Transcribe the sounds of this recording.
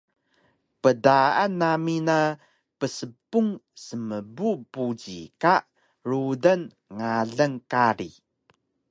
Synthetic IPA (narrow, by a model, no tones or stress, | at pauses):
pədaʔanːamina | pəsəpːuŋsəməbupud͡ʑḭkaʔ | ɾudan | ŋaɮəŋkaɾi